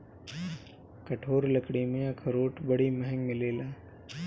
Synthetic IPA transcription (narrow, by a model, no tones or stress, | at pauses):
kɐʈʰoːɾlɐkɽimẽɐkʰɾoːʈʰbɐɽiməɦɛ̃ŋɡmɪleːlaː